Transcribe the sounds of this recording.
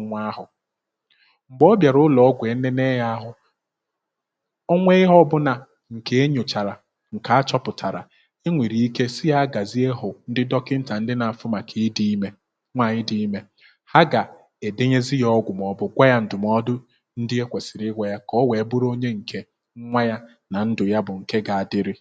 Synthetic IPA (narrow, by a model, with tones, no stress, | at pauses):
ŋʷa˦ɦʊ˨ | ŋ͡m̩˨ɡ͡bɔ˦bja˨ɾʊ˦lɔ˨ɔ˦ɡʷe˨˦ne˦ne˦ja˦a˦ɦʊ˦ | o˦ŋʷe˦ɪ˦ɦɔ˦bʊ˦na˨ | ŋ̩˨ke˨e˦ɲo˨t͡ʃa˨ɾa˨ | ŋ̩˨ka˨a˦t͡ʃɔ˦pʊ˨tʰa˨ɾa̰˨ | e˦ŋʷi˨ɾi˨i˦ke˦sɪ˦ja˦a˦ɡa˨zi˦e˦ɦʊ˨n̩˦dɪ˦dɔ˦kɪ˦n̩˦ta˨n̩˦dɪ˦na˨a˨fʊ˦ma˨kʰi˨˦di˦me˦ | ŋʷa˨ɲɪ˦di˦i˦me˦ | ha˦ɡa˨ | e˨de˦ɲe˦zi˦jɔ˦ɡʷʊ˨m˨ɔ˨bʊ˦ɡʷa˦ja˦n̩˨dʊ˨m˦ɔ˦dʊ˦ | n̩˦dɪ˦e˦kʷe˨sɪ˨ɾɪ˦ɡʷa˨ja˦kɔ˦we˨˦bʊ˦ɾo˦ɲe˦ŋ̩˨kʰe˨ | ŋ̩˦ŋʷa˦ja˦ | na˨n̩˦dʊ˨ja˦bʊ˨ŋ̩˨ke˦ɡa˨a˨dɪ˦ɾɪ˦